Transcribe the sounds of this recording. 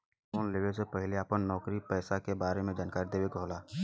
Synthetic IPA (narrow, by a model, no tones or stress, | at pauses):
foːnleːʋesepɐɦɪleəpənːɔːkɾipɛːsakebaːɾemẽd͡ʒaːnkaːɾid̪eːweɡʱoːlaː